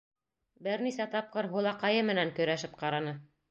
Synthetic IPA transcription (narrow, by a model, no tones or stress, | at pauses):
bɘɾnisæt̪ɑp̚qɤɾɦulˠɑqɑjɤmɘ̆næŋkɵ̆ɾæʃɘp̚qɑɾɑnɤ